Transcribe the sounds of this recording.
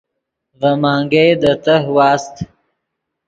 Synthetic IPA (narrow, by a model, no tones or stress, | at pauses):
vɐmaːŋɡed̪ət̪əɦwaːst̪